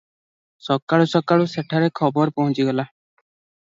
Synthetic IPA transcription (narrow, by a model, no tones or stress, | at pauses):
sɔkaɭusɔkaɭuseʈʰaɾɛkʰɔbɔɾpɔɦɔ̃t͡ʃiɡɔla